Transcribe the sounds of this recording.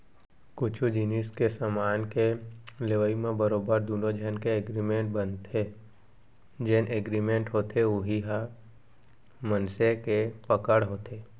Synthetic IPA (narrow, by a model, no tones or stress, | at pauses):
kʊt͡ʃʰud͡ʒiniskesamaːnkeleʋəimẽbəɾoːbəɾd̪uːnod͡ʒʱənkeeɡɾimẽʈ̚bə̃nt̪ʰe | d͡ʒenʔeɡɾimẽɳʈɦoːt̪ʰeʊɦiɦa | mənsekepəkəɽɦoːt̪ʰeː